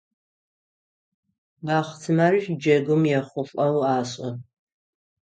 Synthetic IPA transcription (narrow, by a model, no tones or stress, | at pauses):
baːχtʰɨmaːriʃd͡ʒɐɡʊmjɛχʷʊfʼɐwaːɕʼɐ